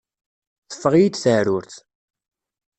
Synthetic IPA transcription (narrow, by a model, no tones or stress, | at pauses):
θə̥fːəʁjid̪θəɾʊɾθ